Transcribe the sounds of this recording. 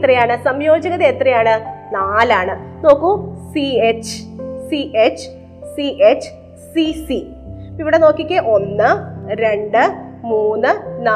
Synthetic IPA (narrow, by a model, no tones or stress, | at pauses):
t̪rɐjaːɳɨsɐmjo̞ːd͡ʑɐɣɐðeet̪rɐjaːɳɨnaːlaːɳɨno̞ːkːusiet͡ɕsiʔet͡ɕ | siʔet͡ɕ | sisi | iʋiɽeno̞ːkːikʲːeʔo̞nːɨɾe̞ɳɖɨmuːnːɨna